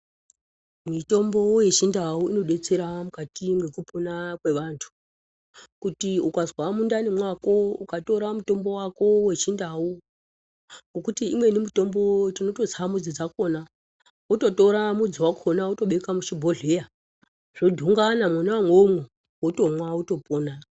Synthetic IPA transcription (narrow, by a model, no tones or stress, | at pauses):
mito̞mbo̞je̞t͡ʃindauino̞ɗe̞t͡seɾamukatiŋɡe̞kupunakwe̞ʋantʰu̥ | kutiukazwamundanemwako̞ukatoɾamuto̞mbo̞wako̞we̞t͡ʃindau | ŋɡokutiimwe̞nimito̞mbo̞tino̞to̞zamud͡zid͡zakona | uto̞to̞ɾamud͡ziwakʰonauto̞ɓe̞kamuʃibʱo̞ɮe̞ja | ʐ̥odʱuŋɡanamwanawamwomwe | woto̞mwauto̞poːna